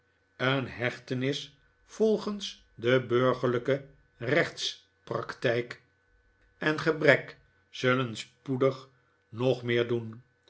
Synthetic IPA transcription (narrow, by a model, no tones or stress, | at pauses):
ənɦɛχtənɪs | fɔlˠχəns | dəbøɹχəɹləkə | rɛχt̪s | prɑktɛjk | ɛnχəbrɛk | z̥ɵlənspudəχ | nɔχmɪːɹdun